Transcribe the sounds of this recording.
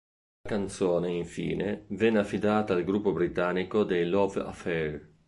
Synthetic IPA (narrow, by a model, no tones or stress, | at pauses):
lakant̪soːneiɱfḭːnevɛnːeafːid̪aːt̪aːlɡɾupːobɾit̪anːikod̪ejlɔva̰fɛɾ